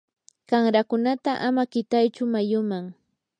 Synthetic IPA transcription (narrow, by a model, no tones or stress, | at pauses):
kaŋɾakʊnat̪aʔamakɪt̪ajt͡ʃʊmajʊmaŋ